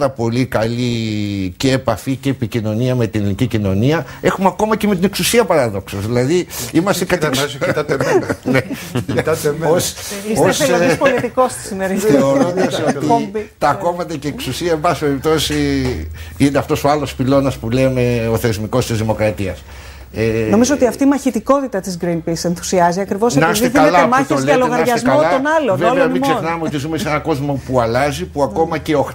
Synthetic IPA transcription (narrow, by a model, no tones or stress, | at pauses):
ɾɐpo̞likɐlice̞ːpɐficeːpicino̞niɐme̞t̪inilicicino̞niɐe̞xumeɐko̞mɐceme̞t̪ine̞ksusiɐpɐɾɐðo̞ksɐzðilɐðiimɐst̪ekɐt̪s | e | osospolt̪ikost̪i̥simeɾiθeo̞ɾond̪ɐsot̪it̪ɐko̞mɐt̪ɐce̞ːksusiɐebɐsi̥peɾip̚t̪o̞si | ineɐft̪o̞so̞ɐlo̞spilo̞nɐspulemeo̞θe̞zmiko̞st̪izðimo̞kɾɐt̪iɐ̰s | eno̞mizoot̪iɐft̪iːmɐçit̪iko̞t̪it̪ɐt̪izɡɾinpise̞nθu̥siɐziɐkɾivo̞snɐssðiðiɐelɐemɐçt̪eozðlɐloɣɐɾɐsʝsɐezmkɐlolɐonɐloveleɐmimssenɐmeot̪izumesenɐko̞zmo̞puɐlɐzipuɐko̞mɐce̞ox